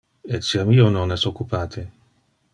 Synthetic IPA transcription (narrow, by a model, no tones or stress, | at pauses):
et̪siamiːononɛsokːupaːt̪ʰe